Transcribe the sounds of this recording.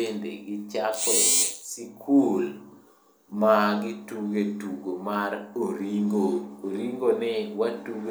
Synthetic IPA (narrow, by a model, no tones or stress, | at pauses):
endḛɡɪt͡ʃakɔsikʰul | maɡɪtuɡetuɡomaɾoɾiŋɡoːɾiŋɡonɛwatuɡ